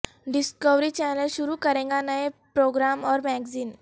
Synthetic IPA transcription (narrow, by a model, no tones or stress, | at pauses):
ɖɪskəʋɾit͡ʃɛːnəlʃʊɾukɐɾẽːŋɡanəepɾoːɡɾaːmɔːɾmɛːɡziːn